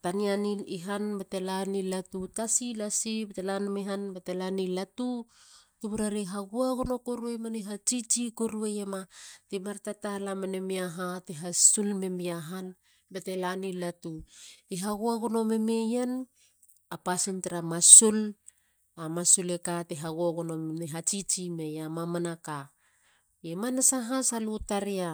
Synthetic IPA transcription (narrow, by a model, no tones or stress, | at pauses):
tanianiiɦanbatelanilatutasilasibetelanmeɦanbetelanilatutuβuɾaɾiɦaɡuaɡono̞koɾuemaniɦat͡ʃit͡ʃikoɾuejematimaɾtatalamanemiaɦatiɦasulme̞miaɦan | bete̞lanilatuiɦaɡuaɡono̞me̞me̞jan | apasinteɾamasul | amasulekateɦaɡuaɡono̞meneɦat͡ʃit͡ʃime̞jamamanaka | emanasaɦasalutaɾia